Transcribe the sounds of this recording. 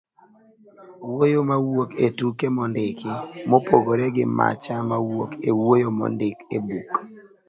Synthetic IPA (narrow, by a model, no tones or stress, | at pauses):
wojomawoketukemɔndɪkɪmopoɡoɾɛɡɪ̰ma̰t͡ʃamawokewojomɔ̰ndɪkebuk